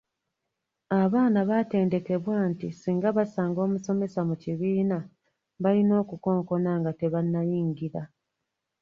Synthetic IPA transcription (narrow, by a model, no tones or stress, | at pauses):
aβaːnaβate̞ːnde̞ke̞βwaːntisiːŋɡaβasaːŋɡo̞ːmuso̞me̞samuciβiːna | βalino̞ːkuko̞ːŋko̞naːŋɡate̞βanːajiːŋɡiɾa